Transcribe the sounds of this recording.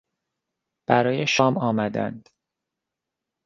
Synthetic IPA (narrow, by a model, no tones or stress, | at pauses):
b̥æɾɒːjeʃɒːmɒːmæd̪æ̰nd̪̥